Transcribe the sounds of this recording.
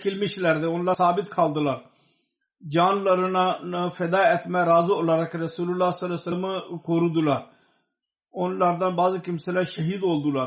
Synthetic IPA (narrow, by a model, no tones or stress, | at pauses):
kɪlmiʃlɛɾd̪eonlaːsaːbɪt̪kʰaːld̪əlaːɾ | d͡ʒaːnləɾnafɛd̪aːɛt̪ʰmɛ̃ɾaːzuolaːɾəkɾəsuːlʊlːaːsəlɛsəməkoːɾud̪ulaːɾ | onlaːɾd̪ãːbaːzkimsəlaːʃəɦiːd̪oːld̪ulaːɾ